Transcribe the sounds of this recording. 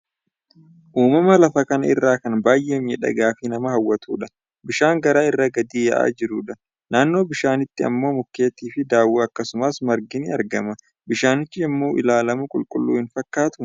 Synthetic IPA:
ʔuːmɐmɐlɐfɐkɐnɐɪ̰rːaːkɐnbaːjʔeːmɛᶑɐ̰ɡaːfɪnɐmɐhɐwːɐt̪ʰuːᶑɐ̥ | bɪʃaːŋɡɐɾaːɪrːɐɡɐd̪iːjɐ̰ʔa̰ːd͡ʒɪɾuːᶑɐ | naːnːo̞ːbɪʃaːnɪt̪ːɪɐ̰mːo̞ːmʊkːe̞ːt̪iːfɪd̪aːwːuɐkːɐsʊmɐsmɐɾɡɪnɪɐɾɡɐmɐ | bɪʃaːnɪt͡ʃːɪɐmːo̞ːʔɪ̰laːlɐmʊkʼʊlkʼʊlːṵːhɪnfɐkːaːt̪ʊ

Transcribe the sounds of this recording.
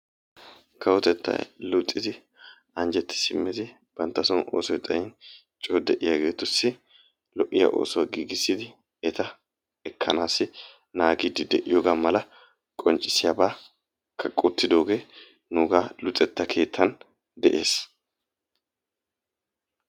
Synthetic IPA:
kʰɐwɔt̪ɛt̪ːɐ̰jlʊtʼːɪd̪ɪ | ɐnd͡ʒɛt̪ːɪ̥sɪmːɪd̪ɪ | b̥ɐnt̪ːɐsɔnʔo̰ːsɔjt̪ʼɐjɪn | t͡ʃʼoːd̪ɛʔɪjaɡe̞ːt̪ʊsːɪ | lɔʔːɪjɐ̰ʔo̞̰ːsɔwɐɡiːɡɪsːɪd̪ɪ | ɛt̪ɐ | ɛkʰːɐnaːsɪ | naːɡiːd̪ɪd̪ɛʔɪjɔːɡaːmɐlɐ | kʼɔnt͡ʃʼːɪsɪjaːbaː | kʰɐkʼʊt̪ːɪd̪o̞ːɡeː | nuːɡaːlʊt͡sʼːɛt̪ːɐkʰe̞ːt̪ʰːɐn | d̪ɛʔe̞ːs

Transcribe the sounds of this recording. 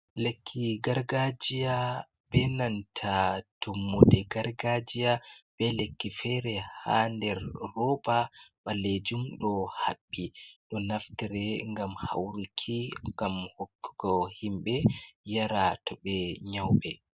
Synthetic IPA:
lekʰːiɡaɾɡad͡ʒija | bɛnantʰatʰomːudɛɡaɾɡad͡ʒijab̥ɛlekːifɛɾɛhandɛɾːɔbaɓaled͡ʒumɗɔhabːiɗɔnaftiɾɛŋɡamha̰wɾikʰiŋɡamhokːu̥ɡɔhimɓɛjaɾatɔɓɛɲawɓɛ

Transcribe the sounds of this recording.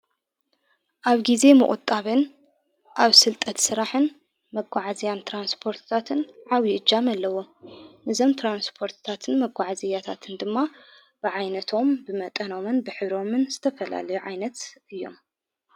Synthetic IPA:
ʔaβɡize̞mɨ̰ʔʼʊ̰t̪ʼːaβɨn | ʔaβsɨlt̪ʼɐt̪sɨɾaħɨn | mɐɡʷːaʕazijant̪ʰɾanspʰo̞ɾt̪ʰt̪ʰat̪ʰɨnʕawiʔɨd͡ʒamɐlːɐwo̞mnɨzo̞mt̪ʰɾanspʰo̞ɾt̪ɨ̥t̪ʰat̪ʰɨnmɐɡʷaʕazijat̪ʰat̪ʰɨnd̪ɨmːa | b̥ɨʕajnɐt̪ʰo̞mbɨmɐt̪ʼɐno̞mɨnbɨħɨβɾo̞mɨnzɨt̪ʰɐfɐla̰lɐjuʕajnɐt̪ɨjːo̞̰m

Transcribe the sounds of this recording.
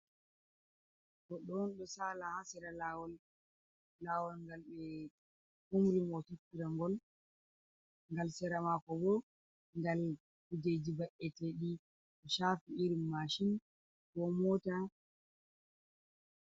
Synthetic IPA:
kɔɗɔnɗɔsalahasɛɾalawɔlː | awɔlŋɡalɓɛ | umɾimɔtitːiɾaŋɡɔl | ŋɡalsɛɾamakɔbɔ | ŋɡal | kud͡ʒed͡ʒibaʔɛtɛɗi | ɗɔʃafiiɾimːaʃin | wɔmɔta

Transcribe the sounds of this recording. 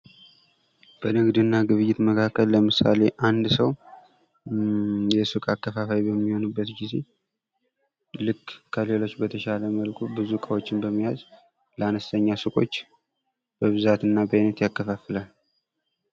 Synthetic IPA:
b̥ənɨɡd̪ɨnːaɡɨβɨjːɪt̪məkʰakːəlːəmɨsa̰le̞ʔand̪səw | jɛsɨkʼakːəfafawibəmːiho̞nɨbːət̪ɡize | lɨkːkʰəlelo̞t͡ʃːbət̪ʰəʃaləməlkʰubɨzukʼawo̞t͡ʃːɪnbəmːijaz | ləanəst̪ʰəɲːasɨkʼo̞t͡ʃː | b̥əβɨzat̪ɨnːabəjnət̪jakːəfafɨlal

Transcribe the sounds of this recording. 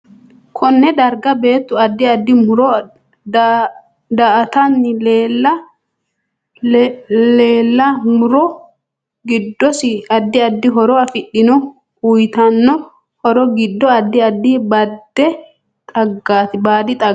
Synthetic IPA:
kʰɔnːɛd̪ɐɾɡɐbe̞ːt̪ːʊɐd̪ːɪɐd̪ːɪmʊɾɔ | d̪ɐʔɐt̪ɐnːɪleːlːɐ | leːlːɐmʊɾɔ | ɡɪd̪ːɔsɪɐd̪ːɪɐd̪ːɪɦɔɾɔɐfɪɗɪnɔ | ʊjt̪ɐnːɔ | hɔɾɔɡɪd̪ːɔɐd̪ːɪɐd̪ːɪbɐd̪ːɛ | t̪ʼɐɡːaːt̪ɪbaːd̪ɪt̪ʼɐ

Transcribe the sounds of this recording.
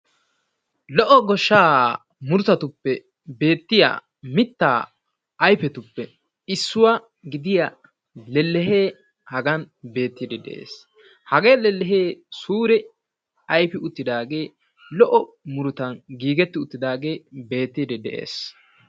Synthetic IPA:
lɔʔɔɡɔʃːaː | mʊɾʊt̪ɐt̪ʊpːɛ | be̞ːt̪ːɪja̰ | mɪt̪ːa̰ː | jfɛt̪ʊpːɛ | ɪsːʊwa | ɡɪd̪ɪjɐ | lɛlːɛɦeː | hɐɡɐn | be̞ːt̪ːɪd̪ɛd̪ɛ̰ʔḛːs | hɐɡeːlɛlːɛɦeːsuːɾɛ | ɐjpɪʊt̪ːɪd̪aːɡe̞ː | lɔʔɔ | mʊɾʊt̪ɐnɡiːɡɛt̪ːɪʊt̪ːɪd̪aːɡe̞ːbe̞ːt̪ːid̪ɛd̪ɛʔḛːs

